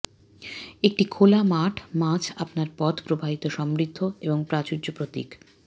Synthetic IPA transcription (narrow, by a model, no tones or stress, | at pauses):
ek̚ʈikʰolamaʈʰmãt͡ɕʰapnaɾpɔt̪pɾobʱaɦit̪oʃɔmɾid̪ʱːoeboŋpɾat͡ɕud͡ʑopɾot̪ḭk